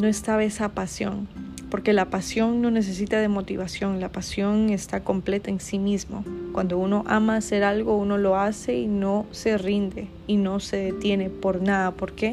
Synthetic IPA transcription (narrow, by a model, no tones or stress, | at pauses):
noest̪aβesapasjo̞̰ŋ | po̞ɾke̞lapasjo̞ŋno̞ne̞s̬e̞s̬it̪aðe̞mo̞t̪iβasjo̞ŋlapasjo̞ŋe̞st̪ako̞mple̞t̪aensimizmo̞̰kwand̪o̞uno̞ʔamaːse̞ɾalɣo̞uno̞lo̞ase̞ino̞se̞rind̪e̞ | ino̞se̞ðet̪je̞ne̞po̞ɾnaðapo̞ɾke̞